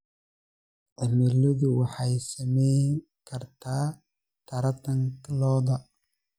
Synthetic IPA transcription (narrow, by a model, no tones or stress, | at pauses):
ʕɪmɛlɔðʊwɑħɑjsɐmɛj | kʰɐrt̪ʰaː | t̪ʰɐɾɐt̪ʰɐŋklɔːðɐ